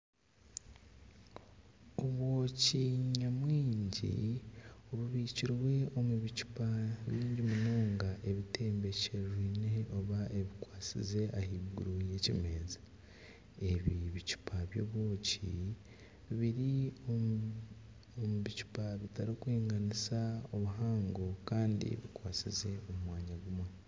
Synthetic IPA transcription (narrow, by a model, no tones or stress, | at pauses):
oβwo̞ːciɲamwiːɲɟḭ | oβuβiciɾwe̞o̞muβicu̥paβiːɲɟimunoːŋɡaʔe̞βitʰe̞ːmbe̞ceʒwiːne̞oβaʔeβikwaːt͡sḭzeʔahiɡṵɾuje̞cḭme̞ːzḁ | e̞βiβicu̥pʰaβjo̞̰ːβwo̞ːcḭ | βiɾio | omuβicu̥paβitaɾikwiːŋɡanisao̞βuɦaːŋɡo̞kaːndḭβikwaːt͡sḭze̞omumwaːɲaɡuma